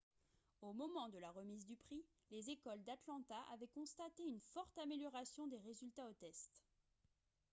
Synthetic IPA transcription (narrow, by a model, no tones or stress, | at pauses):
omɔmɑ̃d̪əlaʁəmizd̪ypχi | lezekɔld̪at̪lɑ̃t̪aʔa̰vɛkɔ̃st̪at̪eynfɔʁt̪ameljɔʁasjɔ̃d̪eʁezylt̪aot̪ɛst̪